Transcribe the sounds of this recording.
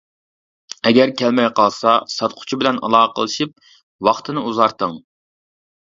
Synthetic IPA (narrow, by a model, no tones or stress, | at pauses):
ɛɡʲɛɾkʲʰɛlmɛjqɑlˠsɑsɑt̪̚qʰʊ̥t͡ʃʰibɪlɛnɑ̰lˠɑːəqʰəlˠɨʃip̚ | wɑχt̪ʰɨnɨuzɑɾt̪əŋ